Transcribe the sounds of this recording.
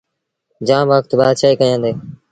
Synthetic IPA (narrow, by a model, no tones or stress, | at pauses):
d͡ʒãːmʋəkt̪baːd̪t͡ʃʰaːiːkəãːnd̪eː